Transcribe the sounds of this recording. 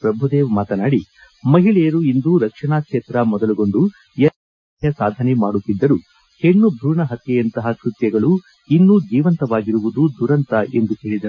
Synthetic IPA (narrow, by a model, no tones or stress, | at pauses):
pɾɐbʱud̪eːʋmaːt̪ɐnaːɽi | mɐɦiɭɛjɐɾuind̪uɾɐkʂɐɳaːkʂeːt̪ɾɐmɔd̪ɐluɡo̞ɳɖu | jɛ | jɐsaːd̪ʱɐnemaːɽut̪ːid̪ːɐɾu | he̞ɳːubʱɾuːɳɐɦɐt̪ːɛjɐnt̪ɐɦɐkɾut̪jɐɡɐɭu | inːud͡ʒiːʋɐnt̪ɐʋaːɡiɾuʋud̪ud̪uɾɐnt̪ɐʔe̞nd̪uhe̞ːɭid̪ɐ